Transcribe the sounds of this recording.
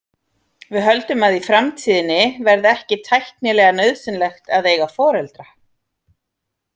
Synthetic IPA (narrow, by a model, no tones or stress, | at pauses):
vɪðɦœlt̪ʏmaðifɾamt̪ʰiːðɪnːɪvɛɾðɛhcɪt̪ʰajhk̪nɪlɛːɣanœɥðsɪnlɛxt̪aðeːjɣafɔːɾɛlt̪ɾa